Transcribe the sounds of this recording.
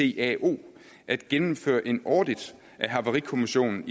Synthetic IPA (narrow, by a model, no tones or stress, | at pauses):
e̝̰æʔo̝̰ː | ʔæd̥ɡ̥enm̩fø̰ːɐʔe̝nɒ̰ːd̥id̥ | ʔæɦɑ̈ʋɑʁikʰo̝miɕo̝̰ːnn̩i